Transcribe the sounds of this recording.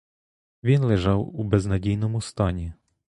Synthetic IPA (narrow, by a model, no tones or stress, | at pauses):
ʋʲinlˠɪʒɑwubɛznɐdʲijnɔmʊst̪ɑnʲi